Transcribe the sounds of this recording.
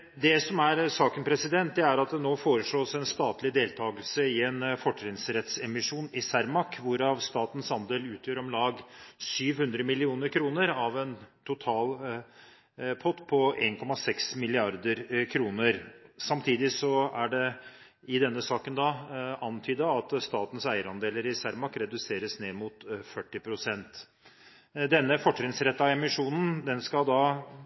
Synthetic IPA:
d̪ɛsɔmæɾsɑːkənpʰɾɛsɪd̪ɛnt̪̚d̪ɛæɾɑt̪̚d̪ɛnoːfoːɾəʂɭoːsɛnst̪ɑːt̪lɪd̪eːlt̪ʰɑːɡəlsəɪɛnfɔʈːɾɪŋsɾɛt̪sɛmɪʂuːnɪsæɾmɑkʋʊɾɑʋst̪ɑːt̪ən̩sɑnd̪eːlʉːt̪ʰjøːɾɔmlɑːɡsyːʋhʉnd̪ɾəmɪlɪuːnəɾkʰɾuːnəɾɑʋɛnt̪ʰʊt̪ʰɑːl | pʰɔt̪pʰɔeːnkʰɔmɑsɛksmɪlɪɑɾd̪əɾkʰɾuːnəɾsɑmt̪ʰiːd̪ɪsɔæɖɛ | ɪd̪ɛnːəsɑːkənd̪ɑɑnt̪ʰyːd̪əɑt̪st̪ɑːt̪n̩sæɪəɾɑnd̪eːləɾɪsæɾmɑkɾɛd̪ʉseːɾəsneːmʊt̪fœʈːɪpʰɾʊsɛnt̪ | d̪ɛnːəfɔʈːɾɪŋsɾɛt̪ːɑɛmɪʂuːnn̩d̪ɛnskɑd̪ɑ

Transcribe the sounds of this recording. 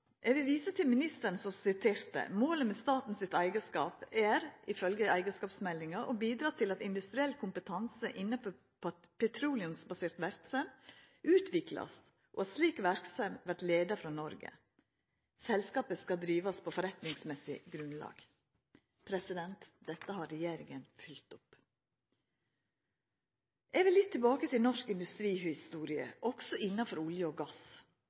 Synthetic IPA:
ʔɛʋɪlʋiːsət̪ʰɪlmɪnɪst̪əɳsɔsɪt̪ʰeːɾt̪ə̰moːləmeːst̪ɑːt̪n̩sɪt̪æɪɡəskɑ̰ːpæɾɪfœlɡəæɪɡəskɑːpsmɛlːɪŋɑʔobiːd̪ɾɑːt̪ʰɪlɑt̪ɪnd̪ʉst̪ɾɪɛlkʰʊmpət̪ʰɑŋsəʔɪnːəfʰɔ | pʰɛt̪ʰɾuːlɪʉmsbɑseːɾt̪ʋæɾksɑm | ʔʉːt̪ʰʋɪklɑ̰s | ʔoɑsliːkʋæɾksɑmʋæɾʈ̪leːd̪ɑfɾɑnɔɾɡə̰ | sɛlskɑːpəskɑd̪ɾiːʋɑspʰoːfɔɾɛt̪nɪŋsmɛsɪ̰ɡɾʉnlɑ̰ːɡ̥ | pʰɾɛsɪd̪ɛnt̪d̪ɛt̪ːəhɑːɾɛjeːɾɪŋənfʏlt̪ʊp | ʔɛʋɪlɪt̪ʰːɪlbɑːkət̪ʰɪlnɔʂkɪnd̪ʉst̪ɾiːhɪst̪uːɾɪə̰ʔɔksɔɪnːɑfɔɾʊljəoːɡɑs

